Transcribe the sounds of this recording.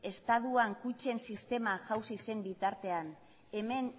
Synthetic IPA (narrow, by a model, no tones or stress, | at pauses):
e̞st̪aðuaŋkut͡ʃe̞nsist̪e̞maʝawsise̞mbit̪aɾt̪e̞an | e̞me̞n